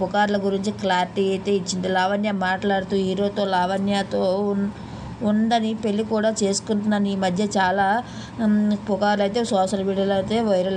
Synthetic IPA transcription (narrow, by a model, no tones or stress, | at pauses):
pukaːɾlɐɡuɾiɲt͡ʃiklaːɾiʈiːɐjt̪e̞ːit͡ʃːind̪ilaːʋɐnjaːmaːʈlaːɽut̪uːɦiːɾo̞ːt̪o̞ːlaːʋɐnjaːt̪oː | und̪ɐnipe̞lːikuːɽaːt͡ʃe̞ːsu̥kuɳʈunːɐniːmɐd̪ʱjɐt͡ʃaːlaː | pukaːɾlɐjt̪e̞ːsɔːʃɐlmiːɽijɐlɐjt̪e̞ːʋɐjɾɐl